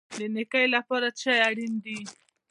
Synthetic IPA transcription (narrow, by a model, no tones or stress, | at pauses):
lenekajlapaɾat͡ʃajaɽind̪i